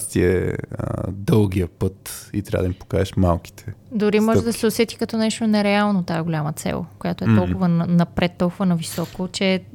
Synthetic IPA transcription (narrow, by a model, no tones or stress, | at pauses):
st̪iɛ̰ | d̪ɤlˠɡiəpɤt̪ḭt̪ɾʲa̰v̰ə̰d̪mipo̥ka̰ʒɛʃma̰lˠki̥t̪ʰɛ̥d̪ʊɾimɔʒɛd̪ɐsɛosɛt̪i̥kɐt̪ɔnɛʃt̪onɛɾɛalˠnot̪aɛɡolʲamət̪sɛ̰lˠkojat̪oɛt̪ɔlˠkʊvənnɐpɾɛt̪ːɔlˠkʊvənɐvisɔkot͡ʃɛ